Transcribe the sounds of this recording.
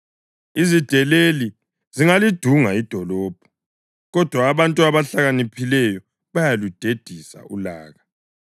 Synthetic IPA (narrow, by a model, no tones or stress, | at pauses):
izid̥ʱɛleli | ziŋalid̥ʱuŋaid̥ʱɔlɔːb̥ʱɔ̥ | ɣɔd̥ʱwaːβantʼuaβaɬaɣanipʰilɛjɔ | βajalud̥ʱed̥ʱisa̰ulaːɣa